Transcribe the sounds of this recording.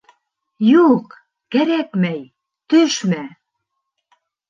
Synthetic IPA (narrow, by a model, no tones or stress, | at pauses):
juq | kæɾækmæj | t̪øʃmæ